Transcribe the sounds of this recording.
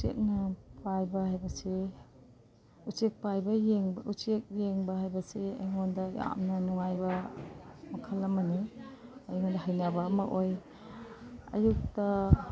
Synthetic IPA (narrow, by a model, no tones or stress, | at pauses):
usḛk̚nɐpʰajbɐhajbɐse | ut͡ʃek̚pajbɐjeŋbusek̚jeŋbɐhajbɐsea̰jŋondɐja̰mnɐnuŋajbɐ | mɐkʰɐlːɐmɐniɐjŋondɐɦajnabɐːmɐʔoj | ɐ̰juk̚tɐ